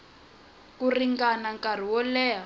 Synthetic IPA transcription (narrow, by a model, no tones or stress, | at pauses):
kuriŋɡanaŋkar̤iwɔlɛːɦa